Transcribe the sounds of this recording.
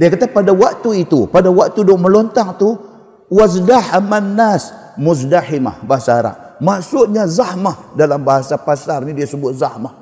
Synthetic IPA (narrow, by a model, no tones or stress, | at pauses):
diakat̪apadawak̚t̪uit̪upadawak̚t̪udoməlɔnt̪aŋt̪u | wazdaħamanːas | mʊzdaħɪma̰hbaɦasaːɾa̰ʔ | masʊʔɲazahmahdalambaɦasapasarnidiasəbʊt̪̚zahmah